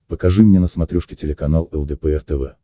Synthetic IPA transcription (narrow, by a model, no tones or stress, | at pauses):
pəkɐʐɨmnʲenəsmɐt̪ɾʲuʂkʲɪtʲɪlʲɪkɐn̪alˠɛlˠɡ̪əpɛɛrt̪ɛvɛ̰